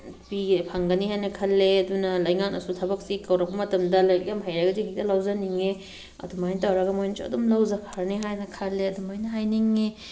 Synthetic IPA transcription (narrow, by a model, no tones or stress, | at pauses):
pipʰaŋɡɐniɦajnɐkʰɐlːeɐdunɐlɐjŋak̚nɐ̰sutʰɐbɐk̚sikɐwɾɐk̚pɐmɐtɐmdɐlajkamɦajɾaɡɐzihak̚tɐlawzaniŋe | ɐ̰dumajntawɾaɡɐmojnɐt͡ʃo̰wdumlawzɐpʰaɾniɦajnɐkʰalːeɐdumajnɐɦajniŋe